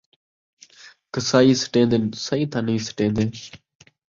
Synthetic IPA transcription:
kəsaːiːsə̥ʈẽːnd̪eːsaːiːt̪ʰãːnəĩːsə̥ʈẽːnd̪eː

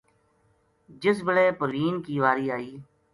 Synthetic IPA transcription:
d͡ʒɪs̬bəɽeːpʊɾʋiːnkiːʋaːɾiːaːiː

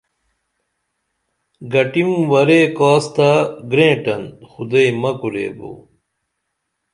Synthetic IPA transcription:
ɡɐʈimwɐɾeːkaːst̪aɡɾẽːʈɐnxud̪ejmɐkuɾḛːbo̰ː

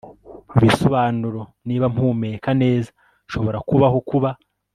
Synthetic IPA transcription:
uβisoβaːnuɾo̞niːβam̥huːmeɾekane̞ːza | ʃo̞βo̞ɾakuβaɦo̞kuβa

